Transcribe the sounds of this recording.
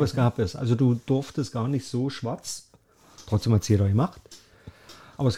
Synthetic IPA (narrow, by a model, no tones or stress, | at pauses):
əsɡ̥aːpɛsʔa̰lzoduːd̥ʊɐftəstɡ̥aːɐnɪçtz̥oːʃv̥aɐt͡s | tʁ̥ɔt͡sd̥eːmhatsiːɐɾaːɡəmaχt | ʔaːbɐɛs